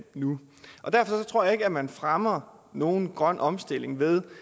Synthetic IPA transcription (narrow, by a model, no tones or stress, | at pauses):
nu | ʔɒ̽d̥æɐfɒ̽sɒ̽t͡sʰʁo̝ɐ̰jɑ̈e̝ɡ̥əæmænfʁamɐ | no̝ːn̩ɡ̥ʁɶn̰ʔɒ̽msd̥e̝l̰e̝ŋʋe̝ð̞ˠ